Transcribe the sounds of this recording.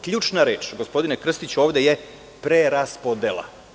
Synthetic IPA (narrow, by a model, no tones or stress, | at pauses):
kʎʲuːt͡ʃnaɾeːt͡ʃɡo̞spo̞d̪inekr̩st̪it͡ɕuoːʋd̪eje | pɾeɾaspod̪elˠa̰